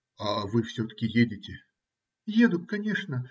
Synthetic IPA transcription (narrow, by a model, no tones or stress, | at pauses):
avɨwsʲɔt̪ɐ̥kʲijed͡zʲɪt͡sʲɛ | jed̪ʊt̪̚ʲkanʲɛʂnɐ